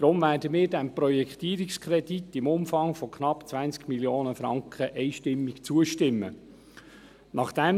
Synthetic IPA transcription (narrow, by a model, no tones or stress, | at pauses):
d̥ɾʊmvæːɾdəmɪːɾdɛmprɔjɛkχtiːəɾikskʰrɛditɪmʊmfɑŋfokχnɑpt͡sʋænt͡skmiljoːnəfɾɑ̰ŋkχəʔɛɪjʃtɪmːɪkt͡suəʃtɪmːə̰ | nɑχd̥ɛm